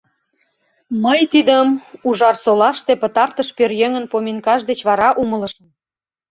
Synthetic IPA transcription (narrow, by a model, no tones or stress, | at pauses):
məjt̪id̪əmuʒɑrsolɑʃt̪epə̆t̪ɑrt̪əʃpørjøŋə̆npomʲinkɑʒd̪et͡ɕβɑɾɑʔumə̆lə̆ʃəm